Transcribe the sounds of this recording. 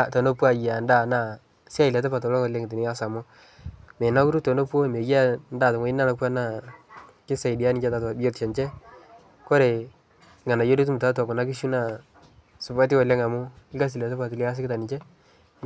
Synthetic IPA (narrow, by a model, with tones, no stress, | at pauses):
to˨no˦pwa˦˨ja˨nda˦˨na˨ | sa˦ɪ˨lɛ˨t̬ɛ˦pa˨tɔ˨lɔ˦ŋɔ˨le˦ŋ˨tɪ˨nɪ˦a˦sa˨mʊ˦ | mɛ˨na˦ku˦ɾu˦to˨no˦po˦˨me˨ja˦nda˦˨tɔ˨ŋwɔ˨ɪ˦nːa˦na˨p̬wa˦na˦˨ | kɪ˦sa˨ɪ˨di˨a˦nɪ˨ɲt͡ʃɛ˦ta˨ta˨bi˦o˦tt͡ʃɛ˨nt͡ʃɛ˦ | kɔ˦ɾe˨ | ŋa˨na˨jo˦de˦t̬u˦mu˨ta˦t̬a˨kʊ˨na˦kɪ˦ʃu˦na˦˨ | sʊ˨pa˦t̬ɪ˦wɔ˨lɛ˦ŋa˨mʊ˦kɪ˦ka˦s̬i˨lɛ˨tɛ˦pa˨ti˨li˦a˦s̬ɪ˦kɪ˦ta˨nɪ˨t͡ʃɛ˦